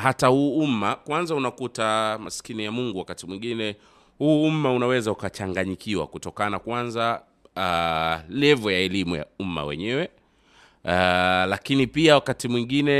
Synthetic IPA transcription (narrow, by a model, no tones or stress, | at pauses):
hatahuːumakwanzaunakutamaskinijamuŋɡuwakatimwiŋɡinɛ | huːum̩maunawɛzaukat͡ʃaŋɡaɲikiwa̰kutɔkanakwanza | lɛvɔjaɛlimuja̰uma̰wɛ̰ɲɛwɛ | lakinipiawakatimwiŋɡinɛ